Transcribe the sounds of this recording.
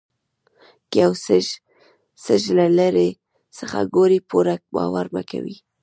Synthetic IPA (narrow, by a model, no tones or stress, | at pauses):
kjaws | səʒlalaɾe | səxa̰ɡoɾipuɾak̚bɑ̰waɾma̰ka̰wi